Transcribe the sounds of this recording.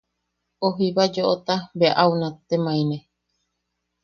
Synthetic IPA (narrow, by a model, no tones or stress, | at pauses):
oɦiβad͡ʒoʔot̪abeaʔaunãt̪emãĩnẽ